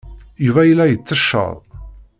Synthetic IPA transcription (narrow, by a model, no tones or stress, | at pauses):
juvæjəlːæjət͡sːəʃːə̰ðˤ